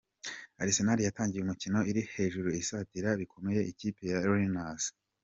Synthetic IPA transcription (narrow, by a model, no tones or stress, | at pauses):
a̰ɾise̞naɾijataːɲŋɟijeumicino̞iɾihe̞ːʒuɾuisatiɾaβikʰo̞me̞je̞ʔiciːpe̞jaɾoɾinas